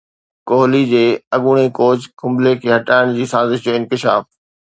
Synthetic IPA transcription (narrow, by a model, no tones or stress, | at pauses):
koːɦlid͡ʑeːɐɠʊɽ̃ekoːd͡ʑkʰʊ̃mblekʰeːɦɐʈaːɪɽ̃d͡ʑiːsaːzɪʃjoɪ̃nkɪʃaːf